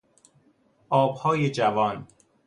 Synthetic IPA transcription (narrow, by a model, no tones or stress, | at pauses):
ʔɒːbhɒːjed͡ʒævɒːn